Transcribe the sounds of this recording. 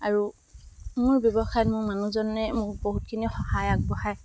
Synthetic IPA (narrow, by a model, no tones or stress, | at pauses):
aɹu | mʊɹbjɔbɔxajɔtmʊɹmanuzɔnːɛmʊɹboɦut̚kʰinixɔhajaɡ̚bɔxaj